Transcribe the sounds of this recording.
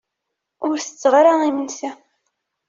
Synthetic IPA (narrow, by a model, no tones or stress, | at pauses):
ʊɾθə̥t͡sːʁɾaimənsæ